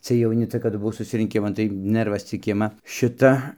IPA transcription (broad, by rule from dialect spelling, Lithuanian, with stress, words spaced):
t͡sɨɛj jɛʊˈnʲɪ ˈt͡sʲɛ kɐdʊ bʊˈʋɐʊ sʊsʲɪrʲɪŋʲˈkʲɪmɐn tɐɪ ˈnɜrʋɐs t͡sʲɪk ˈɪmɐ ˈʃʲɪtɐ